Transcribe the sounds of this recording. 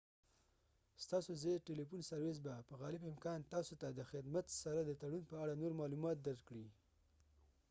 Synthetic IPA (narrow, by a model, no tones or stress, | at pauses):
st̪ɑsozeʈelifunsaɾwezbapəɣɑlɪbɪmkɑnt̪ɑsot̪ad̪əxɪd̪mat̪saɾad̪ət̪aɽunpəaɽanoɾmɑlumɑt̪̚d̪aɾkɽi